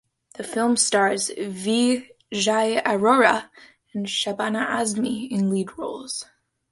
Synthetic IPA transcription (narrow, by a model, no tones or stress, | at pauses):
ðɨfɪlˠmstɑɹzvi | ʒaɪəɹoɹə | ɨ̃nʃabanəʔæzmiɪ̃nlidɹoʊlˠz̥